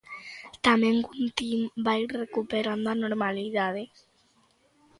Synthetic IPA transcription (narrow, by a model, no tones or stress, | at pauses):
t̪amẽŋɡunt̪imbaiɾrekupeɾand̪oanoɾmaliðaðe